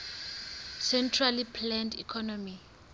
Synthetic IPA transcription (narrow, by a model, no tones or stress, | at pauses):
sɛntʰralipʰlɛndḭkʰɔnɔmi